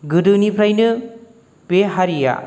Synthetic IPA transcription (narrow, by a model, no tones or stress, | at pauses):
ɡɯdɯnipʰɾajnɯ | peɦaɾija̰